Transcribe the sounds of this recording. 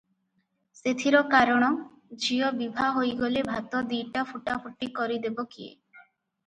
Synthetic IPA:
set̪ʰiɾɔkaɾɔɽ̃ɔ | d͡ʒiɔbibʱaɦojɡolebʱat̪ɔd̪iʈapʰuʈapʰuʈikɔɾid̪ebɔkiḛ

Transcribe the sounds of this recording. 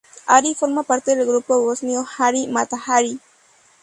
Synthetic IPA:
aɾifoɾmapaɾt̪eðelɡɾupoβosniohaɾimat̪ahaɾi

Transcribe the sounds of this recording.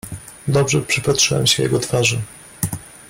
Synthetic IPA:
d̪ɔbʐɛpʂɘpat̪ʂɘwɛ̰mɕɛjɛ̰ɡɔt̪faʐɘ

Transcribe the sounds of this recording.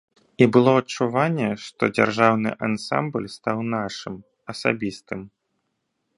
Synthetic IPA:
ibɨlˠɔɐt͡ʂːuvanʲːɛʂt̪ɔ̰d͡zʲa̰rʐawnɨ̰ʔansa̰mblʲst̪awnaʂɨm | ɐsa̰bʲist̪ɨm

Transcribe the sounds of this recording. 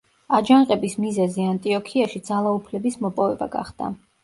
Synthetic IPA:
ad͡ʒaŋqʼɛbismizɛziant̪ʼiɔkʰiaʃid̪zalˠaupʰlɛbismɔpʼɔvɛba̰ɡa̰χd̪a̰

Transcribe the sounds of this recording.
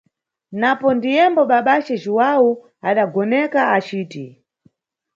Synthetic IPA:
napɔndijɛmbɔɓaɓat͡ʃɛd͡ʒuwau | aɗaɡɔnɛkaat͡ʃiːti

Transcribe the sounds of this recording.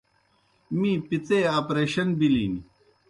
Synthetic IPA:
mipit͡seːaːpɾeːɕɐnbilḭːni

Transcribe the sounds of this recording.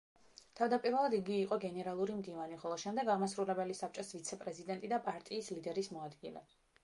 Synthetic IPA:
t̪ʰavd̪apʼiɾvɛlˠad̪iɡiːqʼɔɡɛnɛɾalˠuɾimd̪ivaniχɔlˠɔʃɛmd̪ɛɡaʁmasɾulɛbɛlisap̚t͡ʃʼɔsvit̪sʰɛpʼɾɛzid̪ɛnt̪ʼid̪apʼaɾt̪ʼiːslid̪ɛɾismɔad̪ɡilɛ̰

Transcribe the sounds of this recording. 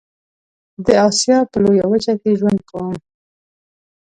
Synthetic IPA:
d̪əɑsjɑpəlojawət͡ʃakeʒwand̪̚kawəm

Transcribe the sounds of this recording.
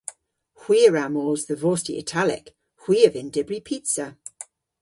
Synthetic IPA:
hw̥iːəɹamɔːlˠzðəvɔːˑstḭʔɪ̰tʰalɪ̰k | hw̥iːəvɪ̃ndɪbɹipʰiˑtsə

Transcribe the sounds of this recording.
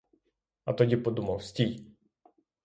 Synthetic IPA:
ɐt̪ɔdʲipɔd̪umɐwsʲtʲij

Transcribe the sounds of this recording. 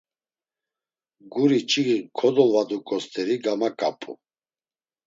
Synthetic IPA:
ɡuɾit͡ʃʼiɡikʰɔd̪ɔlvad̪ukʼɔst̪ʰɛɾiɡamakʼapʼṵ

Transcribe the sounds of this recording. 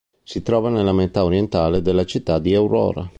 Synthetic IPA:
sit̪ɾɔːvanelːamet̪aoɾjent̪aːled̪elːat͡ʃit̪ːad̪iawɾɔ̰ːɾa̰

